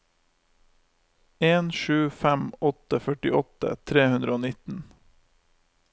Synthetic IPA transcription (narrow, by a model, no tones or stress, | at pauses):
eːnʃʉːfæmɔt̪əfœʈɪʔɔt̪ə̰t̪ʰɾeːhʉnd̪ɾəoːnɪt̪n̩